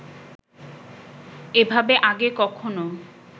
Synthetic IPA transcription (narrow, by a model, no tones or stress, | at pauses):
ebʱabeʔaɡekɔkʰono